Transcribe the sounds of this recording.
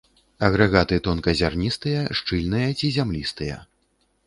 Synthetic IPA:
ɐɣɾɐɣat̪ɨt̪ɔnkɐzʲarnʲist̪ɨjɐʂt͡ʂɨlʲnɨjɐt͡sʲizʲamlʲist̪ɨjɐ̰

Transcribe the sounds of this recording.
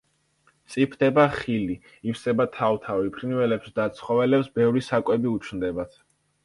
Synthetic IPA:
t̪sʼipʰd̪ɛbaχili | ifsɛbat̪ʰawt̪ʰavipʰɾinvɛlɛpsd̪at̪sʰχɔvɛlɛpsbɛvɾisakʼwɛbiut͡ʃʰnd̪ɛbat̪ʰ

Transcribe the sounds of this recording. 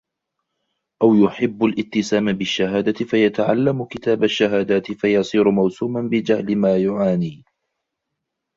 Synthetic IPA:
ʔawjʊħɪbːalʔɪt̪ːɪsaːmbɪʃːaɦaːd̪aɪfajat̪aʕa̰lːamʊkɪt̪aːbaʃːaɦaːd̪aːt̪ɪfajɑsˤiːɾʊmawsuːmanbɪd͡ʒahlɪmaːjʊʕaːniː

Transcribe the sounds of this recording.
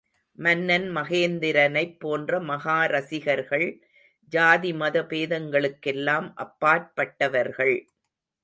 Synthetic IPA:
mɐnːɐnmɐɣeːnd̪ɪɾɐnɐɪpːoːndrɐmɐɣaːɾɐsɪɣɐɾɣɐɭ | d͡ʒaːðimɐðɐpeːðɐŋɡɐɭɯkːɛlːaːmʔɐpːaːɾ̚pɐʈːɐʋɐɾɣɐɭ

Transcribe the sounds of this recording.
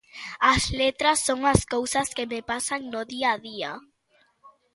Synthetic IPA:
ɐslet̪ɾɐsːoŋɐskowsɐskɪmɪpasaŋnʊðiaðia

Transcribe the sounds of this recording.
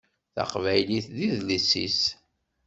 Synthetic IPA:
θa̰qvæjliθðiðləsːḭs

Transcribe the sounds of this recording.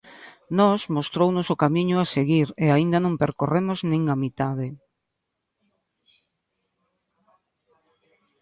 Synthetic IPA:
nɔsmost̪ɾownʊsʊkamĩɲʊaseɣiɾeaind̪ɐnõmpeɾkoremoznẽŋamit̪aðɪ

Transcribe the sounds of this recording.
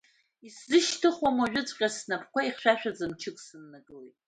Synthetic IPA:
iszɨʃtʰɨχwamaʒᶣʊt͡sʷʼqʲʼasnapʰkʷaiχʃᶣaʃᶣad͡zɨmt͡ʃʰɨkʼsɨnːaɡɨlejtʼ

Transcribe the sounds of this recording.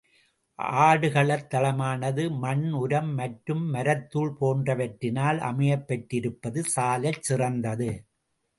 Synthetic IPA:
ʔaːɽɯɣɐɭɐt̪ːɐlɐmaːnɐðɯmɐnʊɾɐmːɐʈɾɯmːɐɾɐt̪ːuːɭpoːndrɐʋɐʈɾɪnaːlɐ̰mɐjɐpːɐʈːɪɾɯpːɐðɯsaːlɐt͡ʃsɪrɐnd̪ɐðɯ

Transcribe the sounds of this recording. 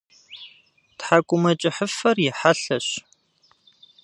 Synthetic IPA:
tħakʷʼʊmɐt͡ʃʼɪħəfɐrjɪħaɬɐɕ

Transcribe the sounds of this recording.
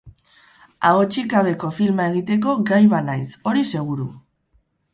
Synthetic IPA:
aot͡ʃikaβ̞e̞ko̞filmae̞ɣ̞it̪e̞k̬o̞ɡajβanajso̞ɾise̞ɣ̞uɾu

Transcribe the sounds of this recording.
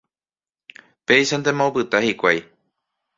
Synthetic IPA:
peiʃand̪emopɨt̪ahikʷaj

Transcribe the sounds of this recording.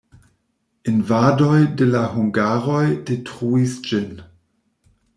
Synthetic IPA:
invadojdelahuŋɡaɾojdetʁuisd͡ʒin

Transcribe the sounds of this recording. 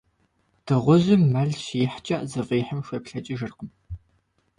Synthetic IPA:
d̥ɨʁʷʊʑɪmːɐɮɕijħt͡ʃʼɐʔzɨviːħəmʃʷeːpɬɐt͡ʃʼɐʒɨrqəm

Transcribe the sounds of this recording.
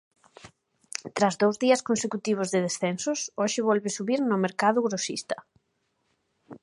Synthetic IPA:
t̪ɾazðowzðiɐskonsekut̪iβ̞ʊzðɪðesθɛnsʊsoʃɪβɔlβɪsuβiɾnʊmeɾkaðʊɣɾosḭst̪ɐ̥

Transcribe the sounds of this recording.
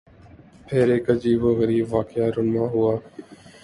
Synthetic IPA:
pʰeːɾeːkəd͡ʒiːboːɣəɾiːbʋaːkɪjaːɾʊmãːɦʊaː

